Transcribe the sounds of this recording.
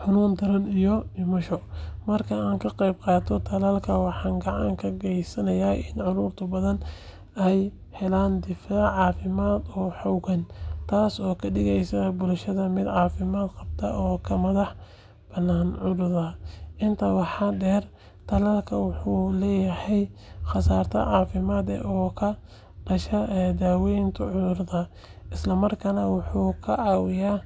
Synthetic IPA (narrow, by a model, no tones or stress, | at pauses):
ħʊnuːnd̪ɐɾɐnijɔɖɪmɐʃɔmɐrkʰɐaːŋkʰɐqɑjbqɑːt̪ʰɔt̪ʰɐlaːlkʰɐwɑħɑːŋɡɑʕɑŋkʰɐɡɛjsɐnɐjaːʔɪnʕʊɾʊːrt̪ʰɐbɐðɐn | ɛj | hɛlaːnd̪ɪfaːʕʕɑːfɪmaːd̪ɔːħɔwɡɐnt̪ʰaːsɔːkʰɐɖɪɣɛjsɐbʊlʃɐðɐmɪd̪ʕɑːfɪmaːd̪qɑb̚t̪ʰɐ̰ʔɔːkʰɐmɐðɑħ | b̥ɐnːaːnʕʊðʊðɐʔɪnt̪ʰɐwɑħɑːdɛːr | t̪ʰɐlɐlkʰɐwʊħuːlɛːjɐhɛjxɑsaːrt̪ʰɐ̰ʕɑːfɪmaːd̪ɛ̰ʔɔːkʰɐ | ɖ̥ɐʃɐʔɛd̪aːwɛjnt̪ʰɐʕʊðʊrðɐ | ʔɪslɐmɐrkʰɐnɐwʊħuːkʰɐʕɑːwɪjaː